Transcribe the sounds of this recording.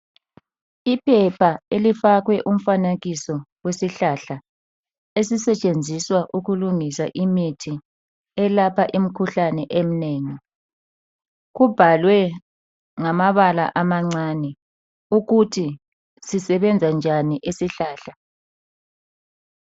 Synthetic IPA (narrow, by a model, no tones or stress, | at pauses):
ipʰɛpʰaelifaɣwɛʔum̩fanaɣisɔwesiɬaɬa | esisɛt͡ʃʼend͡zʱiswaʔuɣuluŋisaʔimitʰi | ɛlapʰaʔim̩kʰuɬanɛʔem̩neːŋi | ɣub̥ʱalwɛ | ŋamaβala̰ʔamaŋ͡ǀanɛ | uɣutʰi | sisɛβɛnd͡zʱand͡ʒʱaniʔesiɬaːɬa